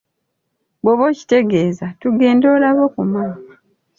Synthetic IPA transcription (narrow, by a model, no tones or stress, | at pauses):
bwoβo̞ci̥te̞ɡe̞ːzatuɡe̞ːndo̞ːlaβo̞kumaːma